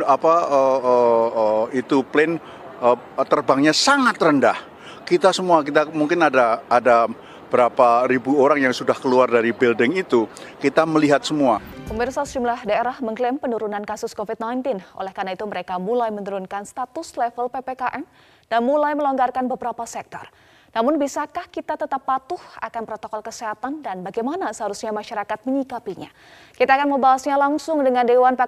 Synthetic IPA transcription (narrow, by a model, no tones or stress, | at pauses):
apaəəəit̪uplɛn | ə | t̪ərbaŋɲasaŋat̪rəndah | kit̪asəmuakit̪amuŋkɪnadaːda | b̥əɾapaɾibuoɾaŋjaŋsudahkəluardaɾibɪldɪŋit̪ukit̪aməliɦat̪̚səmua | pəmɪrsasəd͡ʒumlahdaeɾahməŋklɛmpənuɾunankasʊskofit̪̚najnt̪ɪnʔo̰lɛhkarnait̪uməɾekamulajmənuɾunkanst̪at̪ʊslɛfəlpepekaʔɛm | d̥anmulajməloŋɡarkanbəbəɾapasɛk̚t̪ɔ̰r | namʊnbisakahkit̪at̪ət̪apːat̪ʊhakanpɾot̪okɔlkəseɦat̪andanbaɡajmanasəɦaɾusɲamaʃaɾakat̪̚məɲikapiɲa̰ | kit̪aːkanməmbaɦasɲalaŋsʊŋdəŋandewanpa